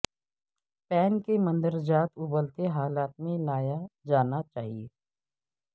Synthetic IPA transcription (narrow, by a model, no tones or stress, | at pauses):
pɛːnkemə̃nd̪əɾd͡ʒaːt̪ʊbəlt̪eɦaːlaːt̪̚mẽlaːjad͡ʒaːnat͡ʃaːɦieː